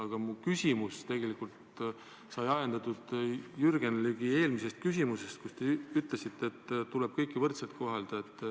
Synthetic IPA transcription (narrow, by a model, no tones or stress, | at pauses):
ɑɡ̥ɑmukysʲimust̪e̞ɡ̥e̞likult̪ | sɑjɑjend̪̥ɑt̪ˑud̪̥jyrɡ̥enlyɡ̥ie̞ːlmise̞st̪̚kysʲimuse̞st̪̚kust̪e̞yt̪ˑle̞sit̪ːeːt̪ːuleb̥̚kɤjkːˑivɤrt̪selt̪̚kʰo̞ɦɑld̪̥ɑet̪ːˑ